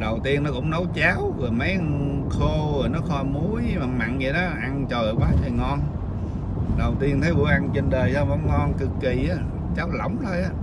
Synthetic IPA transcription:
ɗə˨˩wt̪i˧ənːɔ˨˦˥kʊ̰˧˥ŋ͡mnə˨˦wt͡ɕaː˨˦˥wvə˨˩mə˨˦jxo˧ə˨˩nɔ˨˦xɔ˧mu˨˦əjmaː˨˩ma̰˧˨nɲi˨˩ɗɔ˨˦ʔa˧nt͡ɕəː˨˩ʔkwaː˨˦˥jtə˨˩ŋɔ˧n | ɗə˨˩wt̪i˧ənt̪ʰə˨˦jvṵ˧˥ʔa˧nt͡ɕe˧nɗəː˨˩jsə˧mə˧˦ŋ͡mŋɔ˧nkɨ˨˩kːi˨˩ʔaː˨˦ | t͡ɕaː˨˦˥wlə̰˧˩wŋ͡mt̪ʰəː˧jʔaː˨˦

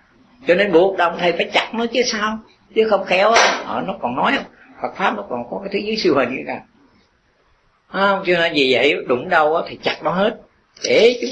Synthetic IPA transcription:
t͡ɕɔ˧ne˧nɓu˨˩ək̚ɗə˨˩wŋ͡mt̪ʰə˨˩jfaː˧˩jt͡ɕa˨˩t̚nɔ˨˦t͡ɕɨ˨˦saː˧w | t͡ɕɨ˨˦xə˧wŋ͡mxɛ˨˦wʔaː˨˦ʔəː˧˩nɔ˨˦kɔ˨˩nnɔ˨˦jhə˧wŋ͡m | fa˨˩k̚faː˦˥p̚nɔ˨˦kɔ˨˩nkɔ˨˦kaː˨˦t̪ʰɨ˨˦zɨː˨˦jsi˧əwhə˨˩nɨ˧˨˦kaː˨˩˦ | hə˧wŋ͡mt͡ɕɔ˧na˧˩vi˨˩və̰˧˨jɗʊ˨˧˩ŋ͡mɗə˧wʔaː˨˦t̪ʰi˨˩t͡ɕa˨˩t̚ɗɔ˨˦ɦe˦˥t̚ | ɗe˧˩t͡ɕʊ˨˦

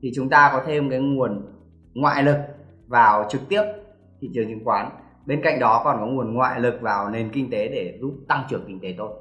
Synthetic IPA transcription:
t̪ʰi˨˩t͡ɕʊ˨˦ŋ͡mt̪aː˧kɔ˨˦t̪ʰe˧mkaː˨˦jŋu˨˩ən | ŋwa̰ː˧˨jlɨ˨˩k̚ | vaː˨˩wt͡ɕɨ˨˩k̚t̪i˦˥əp̚ | t̪ʰḭ˧˨t͡ɕɨ˨˩əŋt͡ɕi˨˦ŋkwaː˨˦n | ɓe˧nka̰˧˨jŋ̟ɗɔ˨˦kɔ˨˩nkɔ˨˦ŋu˨˩ənŋwa̰ː˧˨jlɨ˨˩k̚vaː˨˩wne˨˩nkï˧ŋ̟t̪e˨˦ɗe˧˩zu˦˥p̚t̪a˧ŋt͡ɕɨ˨˩əŋkï˧ŋ̟t̪e˨˦t̪ʰo˧j

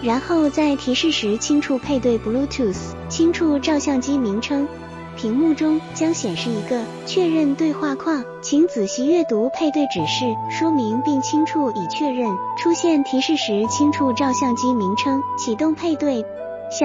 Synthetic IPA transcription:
ɻa˧˥nxo˥˩ʊt͡sa˥˩ɪt̪ʰi˧˥ʂɻ̩˥˩ʂɻ̩˧˥t͡ɕʰi˥ŋʈ͡ʂʰu˨˧˩pʰe˥˧ɪt̪we˥˩ɪpu˧˥lu˥t̪ʰu˥˩s | t͡ɕʰi˥ŋʈ͡ʂʰu˥˧ʈ͡ʂɑ˥˧ʊɕjɑ˥˩ŋt͡ɕi˥mi˧˥ŋʈ͡ʂʰɤ˥ŋ | pʰi˧˥ŋmu˥˩ʈ͡ʂʊ˥ŋt͡ɕjɑ˥ŋɕjɛ˨˩nʂɻ̩˥˩i˧˥ɡə˧ | t͡ɕʰɥɛ˥˧ɻə˥˧nt̪we˥˧ɪxwa˥˧kʰwɑ˥˩ŋ | t͡ɕʰi˧˥ŋt͡sɹ̩˨˩ɕi˧˥ɥɛ˥˩t̪u˧˥pʰe˥˧ɪt̪we˥˩ɪʈ͡ʂɻ̩˨˩ʂɻ̩˥˩ʂwɔ˥mi˧˥ŋpi˥˩ŋt͡ɕʰi˥ŋʈ͡ʂʰu˥˩i˨˩t͡ɕʰɥɛ˥˧ɻə˥˩nʈ͡ʂʰu˥ɕjɛ˥˩nt̪ʰi˧˥ʂɻ̩˥˩ʂɻ̩˧˥t͡ɕʰi˥ŋʈ͡ʂʰu˥˩ʈ͡ʂɑ˥˧ʊɕjɑ˥˩ŋt͡ɕi˥mi˧˥ŋʈ͡ʂʰɤ˥ŋt͡ɕʰi˨˩t̪ʊ˥˧ŋpʰe˥˧ɪt̪we˥˩ɪ

